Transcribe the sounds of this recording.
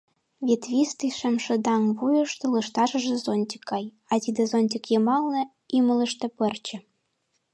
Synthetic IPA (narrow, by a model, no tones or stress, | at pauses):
vʲet̪vʲist̪iʃɘ̆mʃɘ̆d̪ɑŋβujɤ̆ʃt̪ŏlɤ̆ʃt̪ɑʒɤ̆ʒĕzonʲtʲi̥kːɑj | ɑt̪ʲid̪ɘzonʲt̪̬ʲikjɤ̆mɑlnɤ̆ | imələ̆ʃt̪ĕpɘ̆rt͡ɕɘ̆